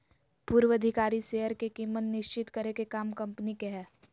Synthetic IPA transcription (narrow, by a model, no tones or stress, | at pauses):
puːɾwəd̪ʱɪkaːɾiseːɦəɾkekiːmːət̪nɪʃt͡ʃɪt̪kəɾekekaːmkɐ̃mpənikeɦɛː